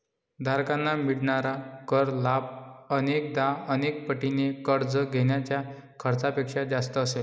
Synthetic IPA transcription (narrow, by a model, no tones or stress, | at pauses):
d̪ʱaɾkanːamiɽɳaɾakəɾlap̚ənek̚d̪aənek̚pəʈinekəɾd͡zəɡʱeɳjat͡ɕja | kʰəɾt͡sapekʂad͡zast̪əːsel